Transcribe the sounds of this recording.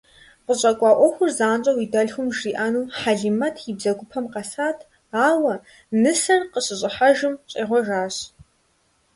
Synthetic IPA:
qəɕʼɐkʷʼɑːʔʷɔxʷʊrzaːnt͡ʃʼɐwidɐɮxʷʊmʒiːʔaːnuːħaɮimɐtʰjibzɐɡʷʊpʰɐmqɐsaːtʰ | aːwɐ | nɨsɐrqəɕʼɪɕʼɪħaʒɨmɕʼiːʁʷɔʒaːɕ

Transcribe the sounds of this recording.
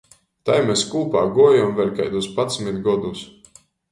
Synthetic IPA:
t̪ajmɛskuːpaːɡuɔjamvɛlʲka̰jd̪uspat̪smit̪ɡɔd̪us

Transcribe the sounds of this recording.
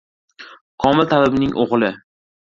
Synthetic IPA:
kʰɒmɪlt̪ʰalɪbnɪŋʔoʁlˠɪ

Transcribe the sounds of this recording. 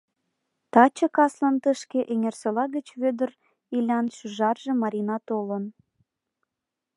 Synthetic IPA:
t̪ɑt͡ɕə̆kɑslənt̪əʃkeʔeŋerselɑɣət͡ɕβød̪ər | ilʲɑnʃyʒɑrʒĕmɑɾʲinɑt̪olən

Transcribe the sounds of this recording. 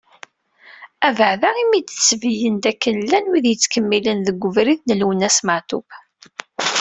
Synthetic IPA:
ævəʕðaʁimid̪t͡sːvəjənd̪ækːənlːænwiðjət͡sːkəmːilənðəɡʷːʊvɾiðnəlwənæsməʕt̪ʊb

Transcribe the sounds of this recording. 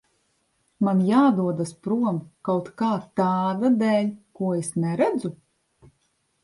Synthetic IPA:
manjaːd̪uɔd̪aspɾuɔmkawt̪kaːt̪aːd̪ad̪ɛːʎʲkuɔesnɛɾæd̪zu

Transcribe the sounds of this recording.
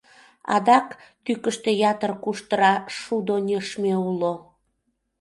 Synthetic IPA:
ɑ̰d̪ɑkt̪ykəʃt̪ejɑt̪ərkuʃt̪əɾɑʃud̪onʲəʃmeulo

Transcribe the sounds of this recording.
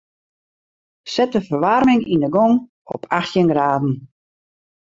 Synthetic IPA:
sɛtəfərʋarmɪŋindəɡɔŋ | ɔ̰pʰaxtjənɡraːdn̩

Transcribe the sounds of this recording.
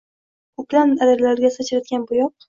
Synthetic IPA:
kʰʊklanad̪ɪɾlaɾɡʲasat͡ʃʰɪɾad̪ɡʲanbʊjɒq̚

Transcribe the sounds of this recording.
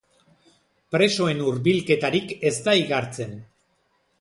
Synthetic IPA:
pɾe̞so̞e̞nuɾβilke̞t̪aɾike̞st̪aiɣaɾt͡se̞n

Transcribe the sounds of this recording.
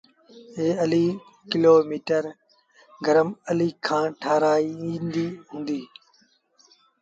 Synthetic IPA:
ɦeːəliː | kɪloːmiːʈəɾ | ɡəɾəməliːkʰãːʈʰaːɾaːĩːnd̪iːɦũːnd̪iː

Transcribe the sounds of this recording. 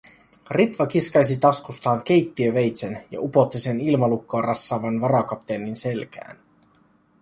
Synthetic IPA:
rit̪ʋɑk̟iskɑjsit̪ɑskust̪ɑːŋk̟e̞jt̪ːiøʋe̞jt̪senjɑ̰ʔupo̞t̪ːise̞nilmɑlukːoːrʔɑsːɑːʋɑnʋɑɾɑkɑpt̪eːnːinse̞lkæ̰ːn

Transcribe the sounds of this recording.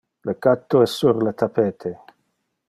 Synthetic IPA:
lekat̪ːoɛsːuɾlat̪apeːt̪ʰe

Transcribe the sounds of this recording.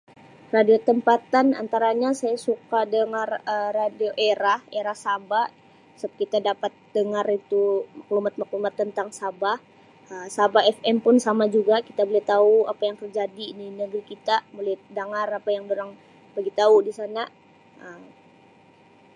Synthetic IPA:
radiot̪əmpat̪ana̰nt̪aɾaɲasajasukadəŋarəːadioʔeɾaheɾahsaba | sab̚kit̪adapat̪̚dəŋarit̪umaklumat̪̚maklumat̪ːənt̪aŋsabah | əsabaɛfɛmpʊnsamad͡ʒuɡakit̪abolɛt̪auapajaŋt̪ərd͡ʒadininəɡɾikit̪amolɛhdəŋarapajaŋdoɾaŋ | baɡit̪audisana | ʔəm

